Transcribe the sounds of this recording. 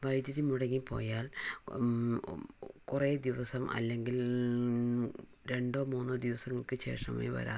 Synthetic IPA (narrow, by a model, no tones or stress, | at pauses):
ʋɐjdɐɾimuɽɐŋːipo̰ːjaːl | kureːd̪iʋɐsɐmʔɐ̰lːe̞ŋɡil | ɾe̞ɳɖo̞ːmuːnːoːd̪iʋɐsɐŋːɐɭkɨɕe̞ːrʂɐ̰ma̰ːjiʋɐ̰ɾa̰ː